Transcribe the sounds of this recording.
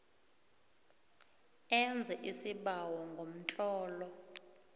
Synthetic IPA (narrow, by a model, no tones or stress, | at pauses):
ɛnd͡zʱɛʔisiɓawɔŋɡʱom̩t͡ɬʼɔːlɔ